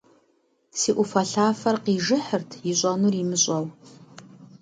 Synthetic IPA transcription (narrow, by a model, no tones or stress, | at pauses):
siːʔʷʊfɐɬaːfɐrqiːʒɨħərtʰjɪɕʼɐnuːrimɨɕʼɐw